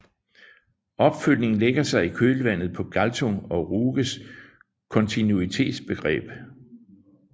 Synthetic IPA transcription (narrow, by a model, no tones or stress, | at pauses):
ʔɒ̽b̥føl̰ne̝ŋn̩leɡ̥ɐsɑ̈ɪikʰøːləʋæn̰ð̞̩ˠpʰɒ̽ɡ̥ælt͡sʰoŋɒ̽ʁuːɡ̥əs | kʰɔ̽nt͡sʰinuit͡sʰe̝̰ːd̥sb̥e̝ɡ̥ʁɛ̰ːb̥